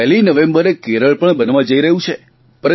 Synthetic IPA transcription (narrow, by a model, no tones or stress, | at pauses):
ɛɦlinəʋẽmbəɾekeɾəɭpəɳbənʋãd͡ʒəiɾəɦũt͡ʃʰe | pəɾə